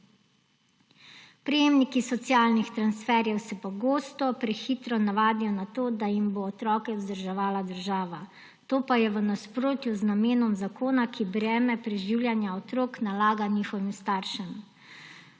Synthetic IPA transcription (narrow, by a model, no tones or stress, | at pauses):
pɾɛjeːmnikisɔt̪sjaːlnixt̪ɾansfɛɾjɛwsɛpɔɡoːst̪ɔpɾɛxiːt̪ɾɔnaʋaːd̪ijɔnat̪oːd̪ajimboːt̪ɾɔːkɛzd̪əɾʒɛʋaːlad̪əɾʒaːʋa | t̪oːpajɛʋənaspɾoːt̪juznameːnɔmzakoːnakʰibɾɛːmɛpɾɛʒiːwljanjaɔt̪ɾoːknalaːɡaniːxɔʋimst̪aːɾʃɛm